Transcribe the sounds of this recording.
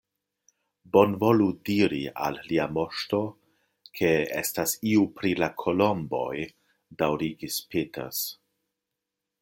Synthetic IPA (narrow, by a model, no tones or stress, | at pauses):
bo̞nvo̞ludiɾia̰lːiamo̞ʃto̞ | kʰe̞ḛstasiupɾilakʰolo̞mbo̞̰j | dawɾiɡispʰetʰḛs